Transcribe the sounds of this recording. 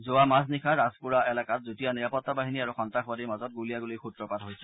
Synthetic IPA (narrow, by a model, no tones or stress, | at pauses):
zoamasnikʰaɹazpuɹaɛlakat̚zutijaniɹapɔt̪ːabaɦiniaɹuxɔntaxbadiɹmazɔt̚ɡulijaɡulixutɹɔpatɦojsɛ